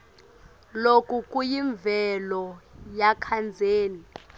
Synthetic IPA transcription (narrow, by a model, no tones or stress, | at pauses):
lokʼuk̬ʼujiɱbvʱɛlɔjakʰand͡zʱeːni